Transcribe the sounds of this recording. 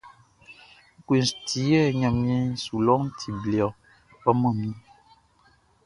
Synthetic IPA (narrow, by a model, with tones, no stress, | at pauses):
ŋ̩˦ke˨nsti˨˦jɛ˦˨ɲã˨mĩ˦ẽ˦su˨lɔ˦ŋ˦tʰi˨bli˨ɔ˨ | bɔ˦mə̃˦˨mĩ˦